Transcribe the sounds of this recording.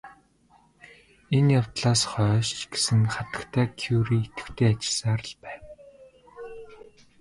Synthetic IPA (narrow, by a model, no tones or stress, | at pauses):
enjawt̪ɮaːsχœːʃt͡ɕɡe̥sɘ̆ŋχat̪ə̥̆kt̪ʰæːkʰjuːɾiːet̪ɘ̥̆wt̪ʰeːat͡ɕɪ̥̆ɮsaɾə̆ɮpæːw